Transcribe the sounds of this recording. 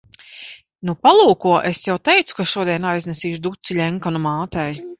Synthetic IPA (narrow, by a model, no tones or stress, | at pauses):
nupalˠuːkuɔʔesjawt̪ɛjt̪su̥kaʃuɔd̪iɛnajznɛsiːʃd̪ut̪silʲɛŋkanumaːt̪ɛj